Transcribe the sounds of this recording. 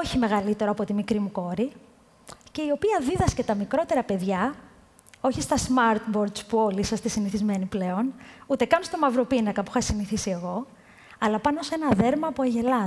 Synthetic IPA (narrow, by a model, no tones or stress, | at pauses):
o̞çime̞ɣɐlit̪e̞ɾo̞ɐpo̞t̪imikɾimuko̞ɾi | ce̞io̞piɐðiðɐscet̪ɐmikɾo̞t̪e̞ɾɐpe̞ðʝɐ | o̞çist̪ɐsmɐɾt̪bo̞ɾd̪spuo̞lisɐst̪isiniθizme̞niple̞o̞nut̪ekɐnst̪o̞mɐvɾo̞pinɐkɐpu̥xɐsiniθisie̞ɣo̞ | ɐlɐpɐno̞se̞nɐðe̞ɾmɐːpoɐʝe̞lɐ